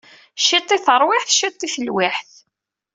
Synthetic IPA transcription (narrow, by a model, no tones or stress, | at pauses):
ʃit̪ˤːiθəɾˤwɪħθʃit̪ˤːiθəlwiħθ